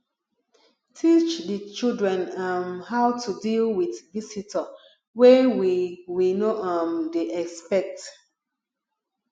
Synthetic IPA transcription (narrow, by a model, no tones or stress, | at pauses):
tʰit͡ʃdət͡ʃildɹɛ̃namhaʊtʰudilwiθvisitʰə | wɛwiwinoʔamdeʔɛkspɛk̚t